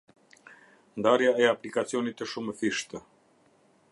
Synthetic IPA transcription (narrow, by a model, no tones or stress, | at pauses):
nd̪aɾjaɛaplikat̪sionit̪əʃuməfiʃt̪ə